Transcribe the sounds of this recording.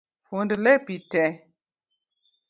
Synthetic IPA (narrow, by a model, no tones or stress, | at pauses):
fundəlepitɛ